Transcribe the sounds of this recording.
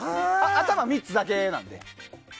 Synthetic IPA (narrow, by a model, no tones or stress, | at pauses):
aat̪amamʲit͡sɨd̪ake̞nã̰nd̪e̞̰